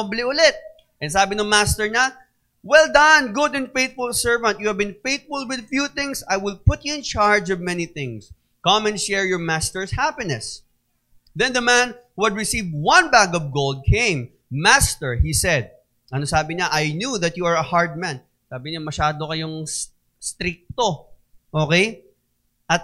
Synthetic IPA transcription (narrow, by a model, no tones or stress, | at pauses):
blɪʔʊlɪt̪̚ | ʔɛ̃nsaːbɪnʊŋmast̪ɛɹɲa | wɛld̪ɐnɡʊd̪ɛ̃nfeɪjt̪̚fʊlsɛɹvɐ̃nt̪̚juhævbɪ̃nfeɪt̪̚fʊlwɪd̪fjuθɪ̃ŋsajwɪl̚pʊt̪̚juɪ̃nt͡ʃaɹd͡ʒɔvmɛniθɪ̃ŋs | kɐ̃mɛ̃nʃɛɹjɔɹmast̪ɛɹshapɪnɛs | ðɛ̃nðɐmæ̃nhuhɐd̪ɹɪsivd̚wɐ̃nbæɡɔvɡold̪̚kʰẽɪ̃mː | ast̪ɛɹhisɛd̪̚ | ʔɐnosaːbɪɲaʔajnjuðɐt̪̚juɐɹɐhaɹd̪̚mæ̃n | saːbɪɲamɐʃaːd̪okɐjoŋ | st̪ɾɪk̚t̪oʔoːkej | ʔɐt̪̚